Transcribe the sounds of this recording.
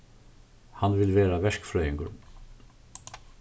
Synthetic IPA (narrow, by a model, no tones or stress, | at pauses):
hanʋɪlʋeːɾaʋɛʂkfɾœʏjɪŋkʊɾ